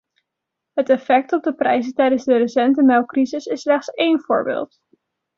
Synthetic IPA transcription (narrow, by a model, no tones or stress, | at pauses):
ɦətɛfɛk̚tɔb̚dəprɛjzəntɛjdənzdərəsɛntəmɛlˠkrizɪsɪslɛχtsejnv̥ʊ̰ːɹbḛːlˠt